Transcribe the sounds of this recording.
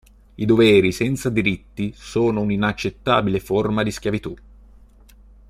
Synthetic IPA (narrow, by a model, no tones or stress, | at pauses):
id̪ovɛːɾisɛnt̪sad̪iɾit̪ːisoːnouninat͡ʃːet̪ːa̰ːbileformad̪iskʲjavit̪u